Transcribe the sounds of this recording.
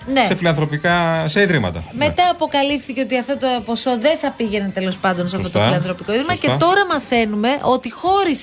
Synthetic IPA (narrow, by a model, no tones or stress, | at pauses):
ne̞sefilɐnθɾo̞pikɐseiðɾimɐ̰t̪ɐ̰me̞t̪ɐːpo̞kɐlifθice̞o̞t̪iɐft̪o̞t̪opo̞so̞ðenθɐpiʝe̞net̪e̞lo̞spɐnd̪o̞nseɐft̪ot̪ofilɐnθɾo̞pikoiðɾimɐce̞t̪o̞ɾɐmɐθe̞nume̞ʔo̞t̪ixo̞ɾis